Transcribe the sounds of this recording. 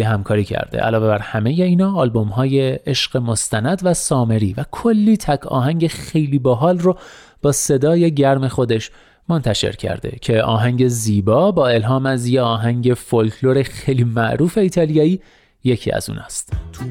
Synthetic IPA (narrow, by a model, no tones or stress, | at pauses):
eɦæmkʰɒːɾiːcʰæ̰ɾd̪ḛʔæ̰lɒːve̞bæɾhæme̞je̞iːnɒːlbo̞mɦɒːje̞eʃɢ̥e̞mo̞st̪ænæd̪væsɒːme̞ɾiːvækʰolːiːt̪ʰækʰɒ̰ːɦæŋɟe̞xe̞jliːboɦɒːlro | b̥ɒːse̞d̪ɒːje̞ɟæɾme̞xo̞d̪e̞ʃ | mo̞nt̪ʰæʃe̞̰ɾcʰæ̰ɾd̪ḛcʰe̞ɒ̰ːɦæŋɟe̞ziːbɒːbɒːe̞lɦɒːmæzjeɒːɦæŋɟe̞folkʰlo̞ɾe̞xejliːmæʔɾuːfe̞iːt̪ʰɒːlijɒːiː | je̞cʰḭːæ̰zṵːnɒ̰ːst̪